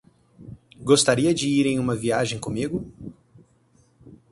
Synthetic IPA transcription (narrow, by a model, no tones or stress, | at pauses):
ɡost̪aɾiɐd͡ʒɪiɾẽj̃ũmɐviaʒẽj̃kõmiɡʊ